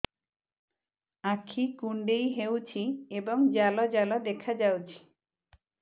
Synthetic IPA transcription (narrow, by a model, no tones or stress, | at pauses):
akʰikuɳɖejɦewt͡ʃʰiebɔŋd͡ʒalɔd͡ʒalɔd̪ekʰad͡ʒawt͡ʃʰi̥